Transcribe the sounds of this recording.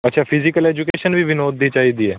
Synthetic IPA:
ətːʃʰaːpʰɪzɪkəlɛːd͡ʒʊkeːʃənʋiːʋɪnoːd̪ːiːt͡ʃaːiːd̪iːɛː

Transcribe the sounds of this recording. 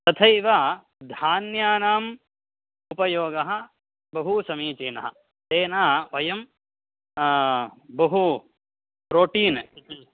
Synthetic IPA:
t̪ɐt̪ʰɐjʋa | d̪ʱaːnjaːnaːm | upɐjoːɡɐɦɐ̆ | bɐɦusɐmiːt͡ʃiːnɐɦɐ̰ | t̪eːnaːɐʋɐjɐm | bɐɦu | pɾoːʈiːn

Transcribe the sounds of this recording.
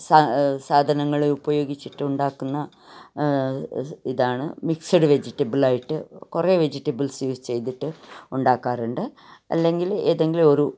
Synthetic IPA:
sasaːd̪ʱɐnɐŋːɐɭeubɐjo̞ːɡit͡ɕːiʈːɨuɳɖaːkːunːɐ | iðaːɳɨ̰miksɐɽɨʋed͡ʑiʈːɐbɨlaːjiʈːɨkureːʋed͡ʑiʈːɐbɨlsjuːst͡ɕe̞jt̪iʈːɨuɳɖaːkːaːruɳɖɨ | ɐ̰lːe̞ŋɡile̞ːðe̞ŋɡilo̞ɾu

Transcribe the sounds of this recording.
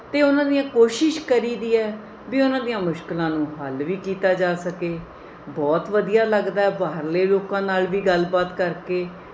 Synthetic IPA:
t̪eːʊnãːd̪ijãːkoːʃɪʃkəɾiːd̪iːɛː | biːʊnãːd̪ijãːmʊʃklãːnũːɦəlʋiːkiːt̪aːd͡ʒaːsəkeː | bɔːt̪ʋəd̪ijaːləɡd̪aːɛːbaːɾleːloːkãːnaːlʋiːɡəlbaːt̪kəɾkeː

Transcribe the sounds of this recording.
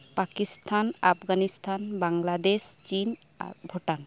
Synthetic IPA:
pakist̪ʰanapʰɡanist̪ʰanbaŋlad̪est͡ʃin | a̰bʱoʈan

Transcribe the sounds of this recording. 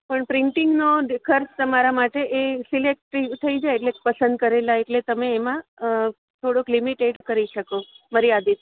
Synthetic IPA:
pəɳpɾɪɳʈɪŋɡnokʰəɾst̪əmaɾamaʈeʔesilek̚ʈɾiʋt̪ʰəid͡ʒaeːʈlepəsə̃nd̪̚kəɾelaeʈlet̪əmeːmã | t̪ʰoɽoklimiʈeʈkəɾiʃəkoməɾiad̪it̪

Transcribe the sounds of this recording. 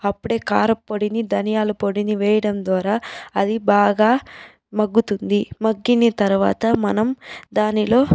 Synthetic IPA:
ɐpːuɽe̞ːkaːɾɐpːoɽinid̪ʱɐnijaːlupoɽiniʋɛːjɐɽɐmd̪ʋaːɾaːɐd̪ibaːɡaː | mɐɡːut̪und̪imɐɡːinit̪ɐɾuʋa̰ːt̪ɐmɐnɐmd̪aːnilo̞ː

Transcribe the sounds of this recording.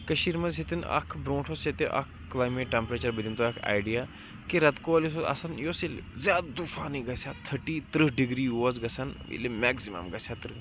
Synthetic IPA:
kɐʃiːɾmɐzɦet̪inɐ̰kʰbɾõːʈʰoset̪eʔɐ̰kʰːlaːjmeʈʈːempɾet͡ʃɐɾbɐd̪imt̪oɐkʰa̰ːjɖija | kiɾɐt̪koɐlisoa̰sɐnjoːsilzʲjaːd̪d̪ufaːniɡɐsʲaːt̪ʰːɐʈiːt̪ɾɨɦɖiɡɾiːjozɡɐsanʋḭlemɛːksima̰mɡɐsʲat̪ɨɾ

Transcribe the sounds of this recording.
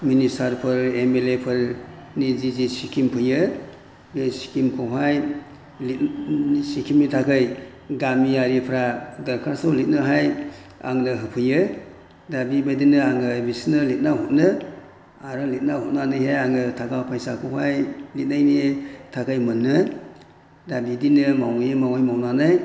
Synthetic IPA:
ministaɾpʰɯɾemelepʰɯɾ | nizizisikʰimpʰɯjɯ | ɡesi̥kʰimkʰɔɦaj | litsikʰimitʰakʰɯj | ɡamijaɾipʰɾaɡɐɾkʰaɾsowlit̚nɯɦaj | a̰ŋnɯɦɯpʰɯjɯ | dabibadinɯaŋɯbisnɯlit̚nahut̚nɯ | aɾɯlit̚nahut̚nanɯjɦejaŋɯtʰakawpʰajsakʰɔwhajlit̚najnitʰakajmɯnːɯ | dabidinɯmawŋjemawajmawnanɯj

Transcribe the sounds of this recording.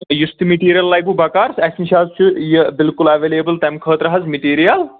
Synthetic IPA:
just̪imiʈiːɾijɐlːɐːjbubɐkaːɾsɐsniʃaːzt͡ʃʰujəbɪlkulɐʋeːlebəlt̪ɐmkʰəːt̪ɾɐɦɐzmiʈiːɾijɐl

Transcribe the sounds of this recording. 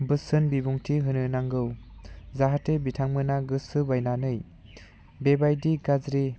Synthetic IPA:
bɯsɯnbibuŋtʰiɦɯnɯnaŋɡɯwzaɦatebitʰaŋmɯnaɡɯsɯbajnanɯj | bebajdiɡad͡ʒɾi

